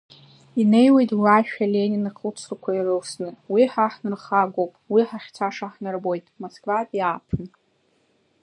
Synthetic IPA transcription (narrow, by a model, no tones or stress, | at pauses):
ine̞jwe̞jtʼwaʃᶣaleniniqʰut͡sʰrkʷʰairɨwsnɨwiħaħnɨrχaɡʷowpʼwiħaχʲt͡sʰaʂaħnɨrbojtʼmoskʰʼvapʼiaːpʰɨn